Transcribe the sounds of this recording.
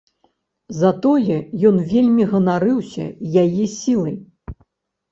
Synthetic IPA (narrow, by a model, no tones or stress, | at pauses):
zɐt̪ɔjɛjɔnvʲelʲmʲiɣɐnaɾɨwsʲɐ̰jajɛsʲilˠɐj